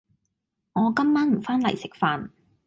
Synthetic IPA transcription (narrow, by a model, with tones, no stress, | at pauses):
ŋɔː˨˧kɐ˥mːaː˥nm̩˨˩faː˥nlɐ̰˨˩jsɪ˨k̚faː˨˧n